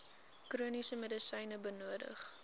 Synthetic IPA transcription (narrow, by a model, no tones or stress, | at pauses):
kruənisəmədəsəjnəbənuədə̰χ